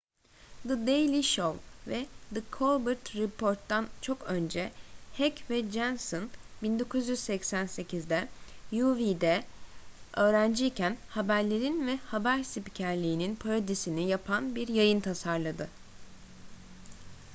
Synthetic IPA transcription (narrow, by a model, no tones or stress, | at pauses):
d̪ɯd̪ejlʲiʃovˠvɛd̪ɯkʰolˠbɯɾt̪ɾɛpʰo̞ɾt̪ːant͡ʃʰo̞kø̞nd͡ʒɛhɛcvɛd͡ʒænsonbind̪o̞kʰuzjyzsɛcsænse̞cʰizd̪ɛjuvid̪ɛ | ø̞ːɾænd͡ʒiːcʰænhabæɾlʲe̞ɾinvɛhabæɾsipcʰæɾlʲiːninpʰaɾod̪isinijapʰanbiɾjajɯnt̪ʰasaɾlˠad̪ɯ